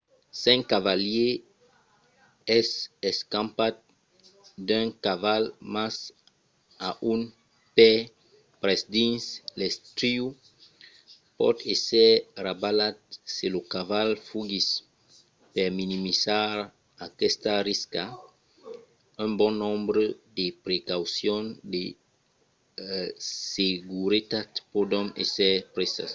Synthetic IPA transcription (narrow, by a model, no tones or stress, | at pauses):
sɛ̃ŋkavalje | ɛsɛskãmpat̪̚ | d̪ɛ̃ŋkavalmas | aʔun | pɛ | pɾɛsd̪ĩnslɛst̪ɾiu | pɔ̰t̪esɛɾabalat̪̚selokavalfuɡis | peɾminimisaɾ | akɛst̪ariska | ũmbɔ̃nõmbɾed̪epɾekawsjõnd̪e | seɡuɾet̪at̪pod̪õnesɛpɾesa̰s